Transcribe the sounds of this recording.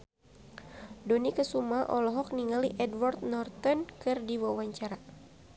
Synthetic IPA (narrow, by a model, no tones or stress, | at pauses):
donikəsumaʔɔlɔɦɔk̚niŋaliʔɛdwart̪̚nɔrt̪ɔnkɨrdiwawaɲt͡ʃaɾa